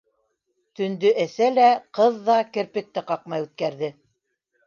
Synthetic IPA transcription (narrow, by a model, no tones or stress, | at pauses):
t̪ɵ̆nd̪ɵʔæθælæqɤðːɑkɘ̆ɾpɘ̆k̚t̪ɘqɑqmɑjʉt̪̚kæɾðɘ